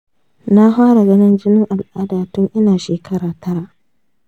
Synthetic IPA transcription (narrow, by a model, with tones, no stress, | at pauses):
na˦haː˦ɽa˨ɡɐ˦nɪ˦nd͡ʒɪ˦nɪ˦ŋʔa˨lʔaː˦daː˨tʊ˦ŋʔɪ˦naː˨ʃeː˨kʰɐ˦ɽaː˨tɐ˦ɽa˦˨ʔ